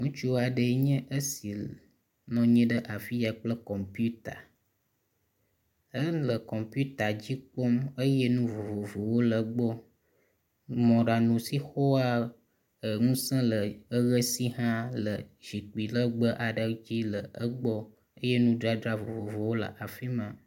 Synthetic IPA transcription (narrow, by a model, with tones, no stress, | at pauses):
ŋũ˦t͡ʃu˦wa˨ɖə˨˦ɲɛ̃˦ʔə˦si˨ | nɔ̃˨ɲɛ̃˦ɖə˦ʔa˨fi˦ja˨k͡plə˦kɔ˨mpu˦t̪a˨ | ə˦lə˨kɔ˨mpju˦t̪a˨d͡ʑi˦k͡po˦mə˦je˦nũ˦vo˨vo˨vo˨wo˦lə˨ɡ͡bɔ˦ | mɔ̃˨ɖa˨nũ˨si˦xo˦a˦ | ə˨ŋũ˦sə̃˦lə˨ə˦ɣə˦si˦ɦã˦lə˨ʒi˨k͡pi˨lə˦ɡ͡bə˦ʔa˨ɖə˦d͡ʑi˦lə˨ə˦ɡ͡bɔ˦ | ə˦je˦nũ˦dɾa˦dɾa˦vo˨vo˨vo˨wo˦lə̰˨ʔa˨fi˦mã˨